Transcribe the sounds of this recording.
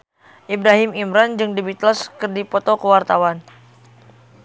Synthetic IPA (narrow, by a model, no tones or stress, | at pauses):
ʔibɾaɦimimɾand͡ʒɨŋdibit̪laskɨrdipɔt̪ɔkəwart̪awan